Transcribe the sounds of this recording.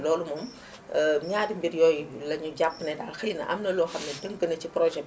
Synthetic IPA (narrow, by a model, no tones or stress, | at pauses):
lɔːlumɔm | əɲaːdimbirjɔːjlɐɲuɟapːnɛdaːlxəjnɐ̰ʔɐ̰mnɐlɔːxɐmnɛdəŋɡənɐciprɔʒɛ